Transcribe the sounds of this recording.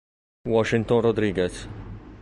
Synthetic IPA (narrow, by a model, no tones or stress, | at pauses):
wɔʃɪnt̪ɔnɾɔd̪ɾiːɡɛs